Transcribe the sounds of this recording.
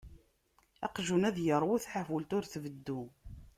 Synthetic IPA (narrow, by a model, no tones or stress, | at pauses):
ɑ̰qʒunæðjəɾˤwiθħafəlt̪ʊɾθvəd̪ːu